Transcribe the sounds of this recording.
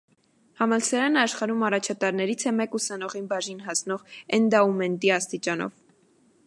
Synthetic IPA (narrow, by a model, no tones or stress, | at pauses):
hɑmɑlsɑɾɑnəɑʃχɑɾumɑrɑt͡ʃʰɑt̪ɑɾnɛɾit͡sʰɛmɛkusɑnɔʁinbɑʒinɦɑsnɔʁɛnd̪ɑumɛnt̪iɑst̪it͡ʃɑnɔ̰v